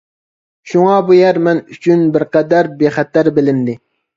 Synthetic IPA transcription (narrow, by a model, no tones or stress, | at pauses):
ʃuŋɑbujɛɾmɛnyt͡ʃʰynbɪɾqɛd̪æɾbeχɛt̪ːæɾbɪlɪnd̪ɪ